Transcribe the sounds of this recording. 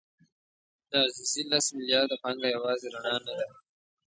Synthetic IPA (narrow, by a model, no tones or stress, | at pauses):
d̪ɑzisilasmɪlijɑːɾd̪apɑŋɡajawɑːzeɾaɳɑnad̪a